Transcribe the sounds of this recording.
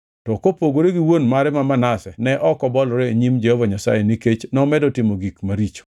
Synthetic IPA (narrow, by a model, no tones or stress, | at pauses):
tɔkopoɡoɾeɡiwonmaɾɛmamanasɛnɛʔɔkɔbɔlɔɾeeɲimd͡ʒɛhɔvaɲasa̰jeniket͡ʃnɔmɛdɔtɪmoɡikmaɾit͡ʃo̥